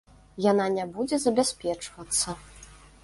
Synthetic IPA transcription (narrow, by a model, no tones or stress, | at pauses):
jananʲabud͡zʲɛzɐbʲasʲpʲɛt͡ʂvɐt̪sːɐ